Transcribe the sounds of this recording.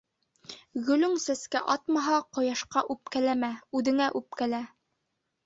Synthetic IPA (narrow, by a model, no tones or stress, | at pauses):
ɡɵ̆lɵŋsæskæʔɑt̪mɑɦɑqŏjɑʃqɑʔʉp̚kælæmæʉðɘ̆ŋæʔʉp̚kælæ